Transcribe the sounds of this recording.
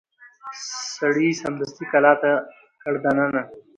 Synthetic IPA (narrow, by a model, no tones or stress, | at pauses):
sɐɽiːsɐmd̪ɐst̪ikɐlaːt̪ɐ | kɐɽd̪ɐnɐna